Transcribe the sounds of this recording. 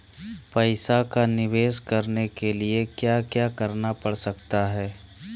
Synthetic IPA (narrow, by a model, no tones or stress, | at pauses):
pɐɪsakanɪʋeːskɐɾnekeliekjaːkjaːkɐɾnapɐɽsɐkt̪aɦɛː